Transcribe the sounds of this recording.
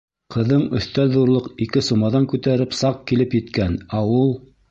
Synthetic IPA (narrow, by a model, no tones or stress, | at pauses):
qʰɤ̆ðɤɴɵ̆θt̪ælðuɾlˠɤqikɘsumɑðɑŋkʉt̪æɾɘpsɑq̚kilɘpjɘ̆t̪kænæulˠ